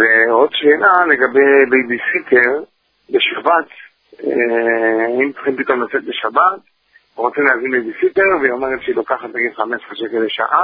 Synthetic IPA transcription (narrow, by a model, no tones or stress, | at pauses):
veo̞d̪ʃenale̞ɡabejbejbisitʰeʁ | beʃabat̪ | e | aimt͡sχinmpikamlat͡set̪̚beʃabat̪̚ | ʁot͡simleazinbejbisite̞ʁveomeʁet̪ʃilokaχat̪ʁeɡevχameʃχaʃekedejʃa̰ʔa